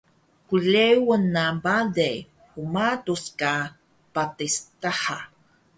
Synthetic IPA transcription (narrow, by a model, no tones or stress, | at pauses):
kulewənːabade | umatuska | patistaħa